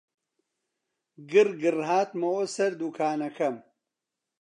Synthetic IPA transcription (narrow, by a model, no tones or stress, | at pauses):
ɡɨrɡɨrhaːt̪mɐwosɐɾd̪ukʰaːnɐkʰɐm